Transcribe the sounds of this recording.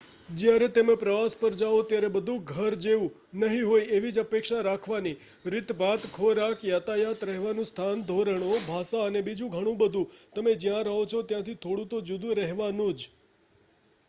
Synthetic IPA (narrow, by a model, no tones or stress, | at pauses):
d͡ʒjaɾet̪emẽpɾəʋaspəɾd͡ʒaot̪jaɾebəd̪ʱũɡʱəɾd͡ʒeʋũ | nəɦĩɦojeʋid͡ʒəpekʃaɾakʰʋani | ɾɪt̪bat̪kʰoɾakjat̪ajat̪ɾɛɦʋanũst̪ʰand̪ʱoɾəɳ̃obʱasaənebid͡ʒũɡʱəɽ̃ũbəd̪ʱũt̪əmed͡ʒjãɾəɦõt͡ʃʰot̪jãt̪ʰit̪ʰoɽũt̪od͡ʒud̪ũɾəɦʋanũd͡ʒ